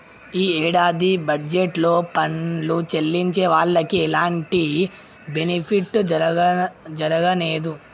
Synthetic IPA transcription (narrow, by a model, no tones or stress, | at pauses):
iːɛːɽaːd̪ibɐɖd͡ʒeʈlo̞ːpɐɳlut͡ʃelːiɲt͡ʃe̞ːʋaːɭːɐkiɛlaːɳʈi | benipʰiʈː | d͡ʒɐɾɐɡɐneːd̪u